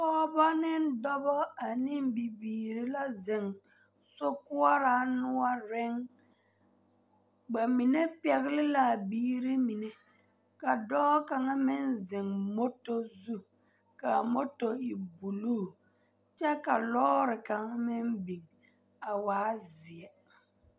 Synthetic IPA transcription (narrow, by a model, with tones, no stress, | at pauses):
ɔ˦ba˦nɪ˦n˦dɔ˦bɔ˦a˨ni˦m˦bi˨biː˨ɾi˦la˦ze˨ŋ | so˦ku˦a˦ɾa˨˦nʊ˦a˦ɾe˦ŋ | ɡ͡ba˨mi˨ne˦pɛ˨ɣlɪ˦la˨biː˦ɾi˦mi˨ne˦ | ka˨dɔː˦ka˨ŋa˦mɪ˦nzɪ˨ŋmo˦to˦zu˦ | ka˨mo˦to˨i˨bu˨lu˦˨ | t͡ʃɛ˦ka˨lɔ˦ɾɪ˨ka˨ŋa˦mɪ˦nbi˨ŋ | a˨waː˨˦zɪ˨ɛ˨